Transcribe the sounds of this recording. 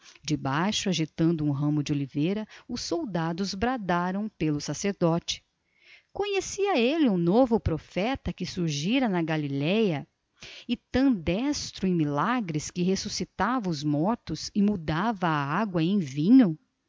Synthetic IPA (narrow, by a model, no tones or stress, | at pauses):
d͡ʒɪbajʃʊaʒit̪ɐ̃nd̪ʊũɦɐ̃mʊd͡ʒɪolivejɾɐʊsːowd̪ad̪ʊzbɾad̪aɾɐ̃w̃pelʊsaseɾd̪ɔt͡ʃɪ̥ | kõɲesiɐelɪũnovʊpɾofɛt̪ɐkɪsuɾʒiɾɐnɐɡalilɛjɐ | ɪt̪ɐ̃d̪ɛst̪ɾʊẽj̃milaɡɾɪskɪɦesusit̪avɐʊzmɔɾt̪ʊzɪmud̪avɐːaɡwɐẽj̃vĩɲʊ